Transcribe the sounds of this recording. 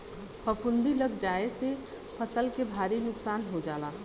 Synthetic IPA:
pʰəpʰʊ̃nd̪iləɡd͡ʒaːese | pʰəsəlkebʱaːɾinʊksaːnɦod͡ʒaːla

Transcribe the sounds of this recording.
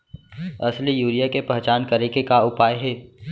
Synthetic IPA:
ɐslijuːɾijakepɛɦt͡ʃaːnkɐɾẽkekaʊpaːjɦɛː

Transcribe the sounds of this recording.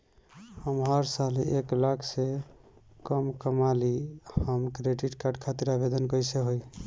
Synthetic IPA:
həmɦəɾsaleklakʰse | kəmkəmalihəmkɾeɖiʈkaɖkʰat̪iɾabed̪ənkəjseɦoj

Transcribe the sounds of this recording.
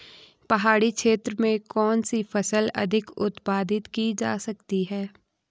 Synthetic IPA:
pɐɦaːɽikʃeːt̪ɾəmẽkɔːnsifɐsəlɐ̰d̪ʱɪkʊt̪paːd̪ɪt̪kid͡ʒa̰ːsɐkt̪iɦɛː

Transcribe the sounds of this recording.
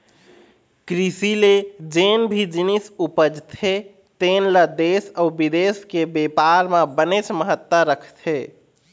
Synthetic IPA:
kɾisiled͡ʒenbʱid͡ʒinisupəd͡ʒt̪ʰe | t̪enləd̪esəbid̪eskebepaɾmebənet͡ʃməɦət̪ːəɾəkʰt̪ʰe

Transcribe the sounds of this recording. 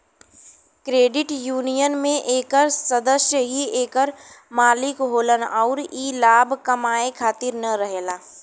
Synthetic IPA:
kɾeːɖɪʈjuːnijənmẽʔeːkəɾsɐd̪əsjəɦieːkəɾmaːlɪkɦoːlənɔʊɾiːlaːbʱkɐmaːekʰaːt̪ɪɾnəɾəɦeːlaː

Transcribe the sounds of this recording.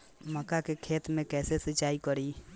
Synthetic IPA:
məkakekʰeːt̪mẽkɛːsesət͡ʃːaːikəɾi

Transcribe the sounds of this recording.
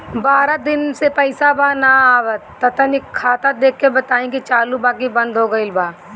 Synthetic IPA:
baːɾad̪ɪnsepəɪsabaːnaaːʋət̪ːət̪ənikʰaːt̪ad̪eːkʰːebət̪aːĩkit͡ʃaːlubaːk̬ibə̃nd̪ɦoːɡəɪlbaː

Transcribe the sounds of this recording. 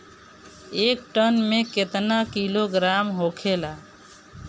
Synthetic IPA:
ek̚ʈənmeket̪nakiloɡɾamɦokʰela

